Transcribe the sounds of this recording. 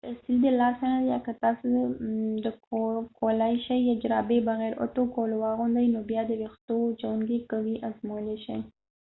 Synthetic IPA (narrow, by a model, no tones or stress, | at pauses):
t̪asild̪əlɑsaajakat̪ɑsod̪əkkolajʃajjad͡ʒɾɑbebaɣɛɾo̰ʈokolowɑɣʊnd̪əjnobjɑd̪əwext̪ot͡ʃawuŋɡekawiʔazmowleʃaj